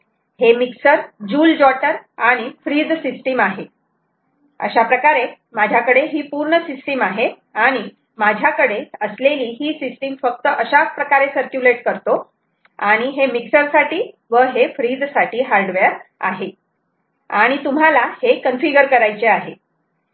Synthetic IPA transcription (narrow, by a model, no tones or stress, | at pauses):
hemiksəɾd͡ʑuːld͡ʑɔʈəɾaɽ̃ifɾiːd̪sisʈimaɦe | ə̰ɕapɾəkaɾe | mad͡ʑʱjakəɽeɦiːpuɾɳəsisʈimaɦe | aɽ̃i | mad͡ʑʱjakəɽeəsleliːɦiːsisʈimfək̚t̪əʔəɕapɾəkaɾesəɾkjuleʈkəɾt̪o | aɽ̃iɦemiksəɾsaʈiː | ʋəɦefɾid̪saʈiːɦaɾɖʋeɾa̰ɦe | aɽ̃it̪um̤alahekənfiɡəɾkəɾajt͡seaɦe